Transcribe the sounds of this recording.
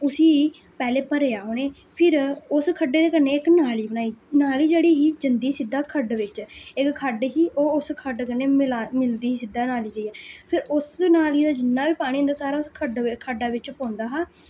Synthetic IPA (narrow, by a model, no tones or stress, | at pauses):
ʊsiː | pɛːleːpəɾejaːɦoːneː | pʰɪɾʊskʰəɖːeːd̪eːkənːeːɪknaːliːbəñaːiːnaːliːd͡ʒeːɽiːɦiːd͡ʒɪnd̪iːsɪd̪ːaːkʰəɖʋɪt͡ʃɪkkʰːəɖɦiːʔoːʊskʰəɖkəneːmɪlaːmɪld̪iːiːsɪd̪aːnaːliːd͡ʒaːiːɛːpʰɪɾʊsnaːliːd̪aːd͡ʒɪnːaːʋiːpaːɽ̃ĩːõːnd̪aːsaːɾaːʊskʰəɖkʰəɖaːʋɪt͡ʃpõːnd̪aːɦaː